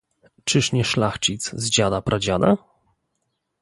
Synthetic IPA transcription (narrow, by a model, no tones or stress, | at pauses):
t͡ʂɘʂɲɛʂlaxt͡ɕit̪szd͡ʑad̪apɾʔad͡ʑad̪a